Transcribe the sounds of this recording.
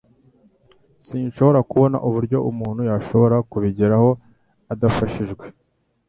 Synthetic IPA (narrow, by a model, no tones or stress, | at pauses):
siːnʃo̞βo̞ɾakuβo̞na̰ʔuβuɾɟo̞ʔumuːn̤̥hujaʃo̞βo̞ɾakuβiɟiɾaho̞ | adafaʃiʒɡwe̞